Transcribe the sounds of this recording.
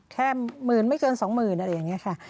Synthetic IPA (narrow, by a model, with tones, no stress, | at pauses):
kʰɛː˥˩mɯː˨˩nma˥˩jkɤː˧nsɔː˩˦ŋmɯː˨˩nʔa˧ɾa˧˩ja˨˩ŋːi˦˥ɐkʰa˥˩